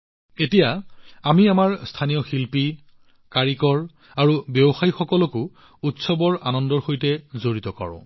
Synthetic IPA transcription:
etijaamiamaɹstʰanijɔxilpi | kaɹikɔɹ | aɹubɛbɔxajixɔkɔlɔkʊ | utsɔbɔɹanɔndɔɹxojtɛzoɹitɔka̰ɹɔ̰̃

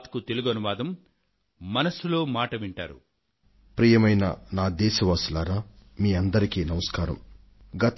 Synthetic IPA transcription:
t̪kut̪e̞luɡɐnuʋaːd̪ɐmː | ɐnɐsulo̞ːmaːʈɐʋiɳʈa̰ːɾṵ | pɾiːjɐmɐjnɐ̰naːd̪ɛːʃɐʋaːsulaːɾaːmiːɐnd̪ɐɾikiːnɐmɐskaːɾɐ̰m | ɡɐt̪

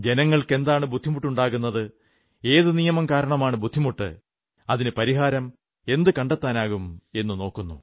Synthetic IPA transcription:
d͡ʑe̞nɐŋːɐɭke̞nd̪aːɳɨbud̪ʱːimuʈːuɳɖaːɣunːɐðɨ | e̞ːðɨnijɐmɐmkaːɾɐɳɐmaːɳɨbud̪ʱːimuʈːɨ̰ | ɐðinɨpɐɾiɦaːɾɐm | e̞nd̪ɨkɐɳɖet̪ːaːnaːɣume̞nːɨno̞ːkːunːu

